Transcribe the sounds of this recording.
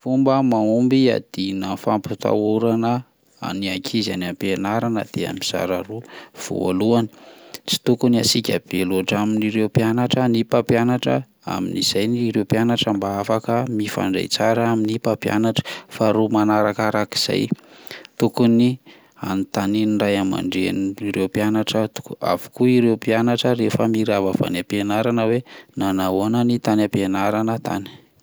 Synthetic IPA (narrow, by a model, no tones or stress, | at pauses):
fumbəmaumbia̰d̪̥inəfamput̪a̰uɾanə | a̰niakʰizanampenaɾanə̰d̪̥ea̰miz̥a̰ɾaruv̥o̰a̰luani̥t͡si̥t̪ukuniasikʲab̥eluaʈ͡ʂaminiɾewpjanaʈ͡ʂənipapjanaʈ͡ʂə | a̰mḭniz̥ajniɾewpjanaʈ͡ʂambaafakəmifa̰ɳɖ͡ʐa̰jt͡saɾəaminipapja̰naʈ͡ʂə̥faɾumanaɾakaɾaki̥z̥a̰jt̪ukuni | a̰nit̪aninrajama̰ɳɖ͡ʐeniiɾewpianaʈ͡ʂət̪u̥kua̰vu̥kuiɾewpianaʈ͡ʂəɾefəmiɾavava̰napenaɾanəwenanaoanənit̪anapenaɾanət̪a̰ni̥